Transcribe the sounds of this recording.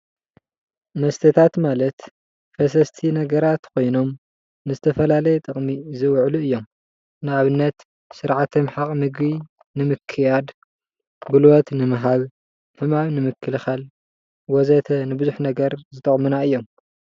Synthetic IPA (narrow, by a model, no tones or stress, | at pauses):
mɐst̪ʰɐt̪ʰat̪malɐt̪ | fɐs̬ɐst̪ʰinɐɡɐɾat̪kʰo̞jno̞m | nɨzɨt̪ʰɐfɐlalɐjɛt̪ʼɨχʼmizɨwʕluɨjːo̞m | nɨaβɨnːɐt̪ | sɨɾʕat̪ʰomħaqʼmɨɡbi | nɨmɨkʰːɨjad̪ | ɡulwot̪nɨmɨɦaβ | ħɨmaβnɨmɨkʰːɨlxal | wɔzɐt̪ʰɐnɨbɨzuħnɐɡɐɾzɨt̪ʼɐχʼmunaɨjːo̞m